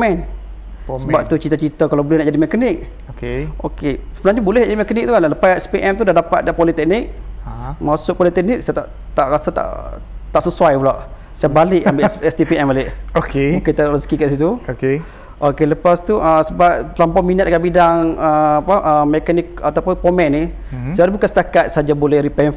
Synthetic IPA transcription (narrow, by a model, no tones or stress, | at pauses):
pmɛn | səbap̚t̪ut͡ʃit̪at͡ʃit̪əkalawbolɛhnaʔd͡ʒadimɛkənɪk̚ | okeʔokesəbənãɲubolɛhaʔd͡ʒadimɛkənɪk̚t̪ukanlləpasɛspiʔɛmt̪udahdapat̪̚dapolit̪ɛk̚nɪk̚masʊʔpɔlit̪ɛk̚nɪksajat̪a̰ʔ | t̪aʔɾasat̪a̰ʔ | t̪aʔsəsuajbulaʔ | sajabalɪʔambeʔsɛst̪ipiɛmaleʔokemukit̪aʔrəskikaʔis̬it̪uoke | ʔokeləpast̪uʔəsəbap̚t̪lampɔminat̪̚kaʔbidaŋəapaʔəmɛkanɪk̚at̪awpʊnpomɛnːi | saɾibukansə̥t̪akat̪̚sad͡ʒabolɛhɾipɛnf